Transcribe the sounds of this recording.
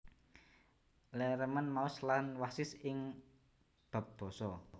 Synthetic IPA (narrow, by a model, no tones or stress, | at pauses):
lɛɾəmənmaʊslanwasɪsɪŋ | b̥ä̤p̚b̥ɔ̤sɔ